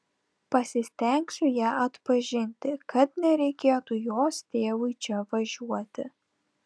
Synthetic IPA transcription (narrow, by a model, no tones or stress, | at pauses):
pɐsʲɪsʲt̪ʲɛŋʲksʲʊjæːʔɐt̪pɐʒʲɪnʲt̪ʲɪkɐt̪nʲɛɾʲɛɪkʲeːt̪uːjoːst̪ʲeːʋʊɪt͡ʃʲɛʋɐʒʲuɔt̪ʲɪ